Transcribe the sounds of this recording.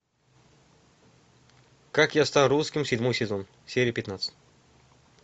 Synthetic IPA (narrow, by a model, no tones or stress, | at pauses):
kakjast̪aruskʲɪmsʲɪdʲmojsʲɪzon | sʲeɾʲɪjəpʲɪt̪nat̪sɨ̥t̪ʲ